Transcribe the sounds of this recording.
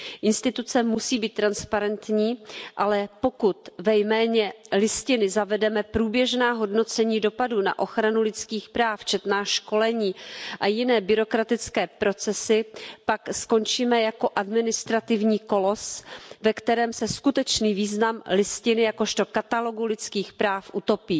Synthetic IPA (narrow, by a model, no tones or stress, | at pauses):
ʔɪnst̪ɪt̪ut͡sɛmusiːbiːt̪ːɾanspaɾɛnt̪ɲiːʔalɛpo̞kut̪vɛjmɛːɲɛlɪscɪnɪzavɛdɛmɛpɾuːbjɛʒnaːɦo̞dno̞t͡sɛɲiːdo̞paduna̰ʔo̞xɾanulɪt͡skiːxpɾaːft͡ʃɛt̪naːʃko̞lɛɲiːʔajɪnɛːbɪɾo̞kɾat̪ɪt͡skɛːpɾo̞t͡sɛsɪpaksko̞nt͡ʃiːmɛjako̞ʔadmɪnɪst̪ɾat̪ɪvɲiːko̞lo̞svɛkt̪ɛɾɛːmsɛskut̪ɛt͡ʃniːviːznamlɪscɪnɪjako̞ʃt̪o̞kat̪alo̞ɡulɪt͡skiːxpɾaːfʔut̪o̞piː